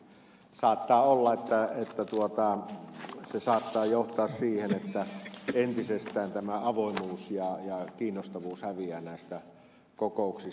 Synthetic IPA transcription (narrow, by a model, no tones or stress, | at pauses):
sɑːt̪ːɑːolːɑet̪ːæet̪ːæt̪uot̪ɑ | sesɑːt̪ːɑːjoht̪ˑɑːssiːhenet̪ːæent̪isest̪ˑæːnt̪æmæɑʋoˑimˑuːsjɑjɑkiːnːost̪ɑʋuːshæʋiæːnæˑest̪æ | kokoˑuksi